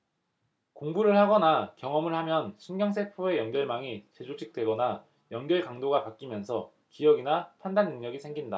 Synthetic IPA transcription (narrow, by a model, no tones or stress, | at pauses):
koŋbuɾɯɭhaɡʌnakjʌŋʌmɯɭhamjʌnsʰunɡjʌŋs̬ʰepʰoe̞jʌŋɡjʌɭmaŋit͡ɕe̞d͡ʑot͡ɕʰik̚t͈we̞ɡʌna | jʌŋɡjʌɭkaŋdoɡapak͈̚imjʌnsʰʌ | kijʌɡinapʰandanːɯŋɲʌɡisʰe̞ŋɡinda̰